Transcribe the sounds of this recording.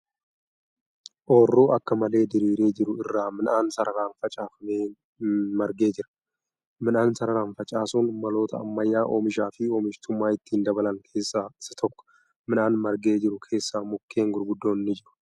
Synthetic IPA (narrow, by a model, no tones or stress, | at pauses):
ʔoːrːoːɐkːɐmɐle̞ːd̪ɪɾiːɾeːd͡ʒɪɾʊɪrːaːmɪnʔaːnsɐɾɐɾaːnfɐt͡ʃʼaːfɐmeː | mɐɾɡe̞ːd͡ʒɪɾɐ̥ | mɪnaːnsɐɾɐɾaːnfɐt͡ʃʼaːsuːnmɐlo̞ːt̪ɐɐ̰mːɐjːaːʔo̰ːmɪʃaːfɪoːmɪʃt̪ʊmːaːɪt̪ːiːnd̪ɐbɐlɐŋkʰe̞ːsːasːɐ̥t̪ʰɔkːɔ̥ | mɪnaːnmɐɾɡe̞ːd͡ʒɪɾʊkʰe̞ːsːaːmʊkːe̞ːŋɡʊɾɡʊd̪ːoːɪnːɪd͡ʒɪɾʊ̥